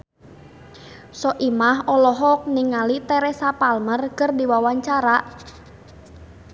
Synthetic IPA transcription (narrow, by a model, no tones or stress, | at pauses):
sɔʔimahɔlɔɦɔk̚niŋalit̪ɛɾɛsapalmərkərdiwawaɲt͡ʃaɾaʔ